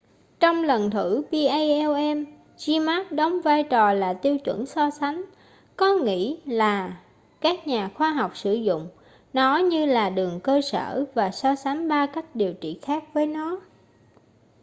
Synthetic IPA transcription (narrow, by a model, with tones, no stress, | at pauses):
t͡ɕɔ˧wŋ͡mlə˨˩nt̪ʰɨ˧˩ɓi˧ʔə˧jʔɛ˧wʔɛ˧m | zi˧maː˦˥k̚ɗə˨˦wŋ͡mvaː˧jt͡ɕɔ˨˩laː˨˩t̪i˧əwt͡ɕwə̰˧˩nsɔ˧sa˨˦jŋ̟ | kɔ˨˦ŋḭ˧˥laː˨˩ | kaː˦˥k̚ɲaː˨˩xwaː˧ɦɔ˨˩wk͡p̚sɨ˧˩zʊ̰˧˨ŋ͡m | nɔ˨˦ɲɨ˧laː˨˩ɗɨ˨˩əŋkəː˧sə̰ː˧˩vaː˨˩sɔ˧sa˨˦jŋ̟ɓaː˧ka˦˥jk̟̚ɗi˨˩əwt͡ɕḭ˧˨xaː˦˥k̚vəː˨˦jnɔ˨˦